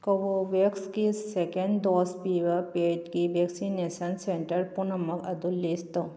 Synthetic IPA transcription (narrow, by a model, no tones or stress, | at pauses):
koʋoʋekskisekeɳɖdoːspiʋəɾpeʈkiʋeksinesɐnseɳʈəɾpunɐmɐkɐd̪ulːist̪o